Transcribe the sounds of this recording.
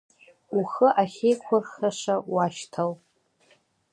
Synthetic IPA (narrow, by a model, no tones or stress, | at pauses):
uχəʔaχʲejkʷʰarχaʂawaʃtʰal